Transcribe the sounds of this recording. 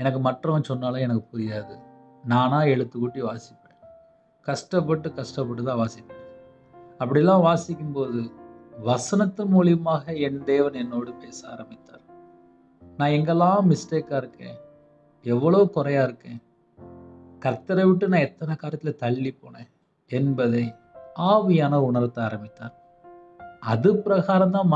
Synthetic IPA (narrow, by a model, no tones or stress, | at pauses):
ɛnɐk̬ːɯmɐʈrɐ̃sɔnːaːlɐ̃ːɛnɐkːɯpʊɾɪjaːðɯ | naːnãːɛɻɯt̪ːɯkʊʈːiʋaːsɪpːɐẽ | kɐʂʈɐpːɐʈ̬ːɯkɐʂʈɐpːɐʈːɯt̪ãːʋaːsɪkːɐ̃ | ɐp̬ːɐɽɪɛlːãːʋaːsɪkʲːɯmpoːðɯʋɐsɐnɐt̪ːɐmuːlɪjɐmaːɣɐɛnd̪eːʋɐnɛnːoːɽɯpeːsaːɾɐmbɪt̪ːaːɾ | nãːɛŋɡɛlːãːmɪsʈeːkaːɪɾɯkːḛ̃ː | ɛʋːɐɭoːkʊɾɐjaːɪɾɯkːẽː | kɐɾt̪ːɐɾɐʋɪʈ̬ːɯnãːɛt̪ːɐnɐkaːɾɪɐt̪ːɪlɐt̪ɐɭːipːoːɳẽː | ɛnbɐðɐɪ | aːʋɪjaːnɐʊɳɐɾɐt̪ːɐaːɾɐmbɪt̪ːaːɾ | ɐðɯpɪɾɐɣaːɾɐmt̪ãːm